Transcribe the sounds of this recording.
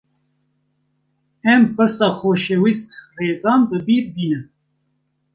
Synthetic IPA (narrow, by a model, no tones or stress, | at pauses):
ɛmpɨɾsɑːxoːʃewist̪reːzɑːnbɨbiːɾbiːnɨm